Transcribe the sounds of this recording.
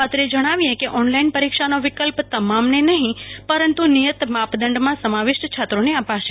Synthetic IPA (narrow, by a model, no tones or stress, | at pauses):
ət̪ɾed͡ʒəɽ̃aʋiekeʔɔnlainpəɾikʃanoʋɪikəlpt̪əmamnenəɦĩpəɾənt̪unijət̪mapd̪əɳɖmãsəmaʋɪʃt͡ʃʰat̪ɾoneapaʃe